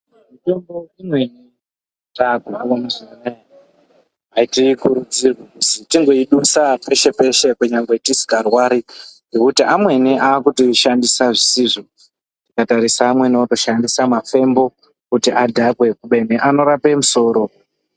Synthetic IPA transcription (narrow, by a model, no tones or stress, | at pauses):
mutomboimweni | taɡʱakomuzine | ɦaitikuɾud͡zirwekusitiŋɡo̞iɗusape̞ʃe̞pe̞ʃe̞kuɲaŋɡe̞tisi̥karwaɾiŋe̞kutiʔamwe̞neʔaːkutiʃandisaʐisiːʐo | tikataɾisaːmwe̞nooto̞ʃandisamafe̞mbo̞ | kutiʔadʱakwe̞kuɓe̞neʔano̞ɾape̞muso̞ːɾo̞